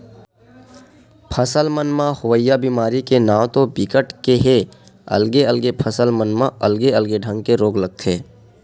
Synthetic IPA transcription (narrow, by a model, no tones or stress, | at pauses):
pʰəsəlmənmãhʊʋəjːabimaːɾikenaːwt̪obɪkəʈkeɦe | ɐ̰lɡeəlɡepʰəsəlmənmãʔɐlɡeəlɡeɖʱə̃ŋɡ̚keɾoːɡləɡ̚t̪ʰeː